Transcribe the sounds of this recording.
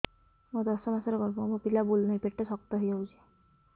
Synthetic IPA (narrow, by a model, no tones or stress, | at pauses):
mod̪ɔsɔmasɔɾɔkɔɾbɔmopilabulnajpeʈːesɔk̚t̪ɔɦojd͡ʒawt͡ʃʰi̥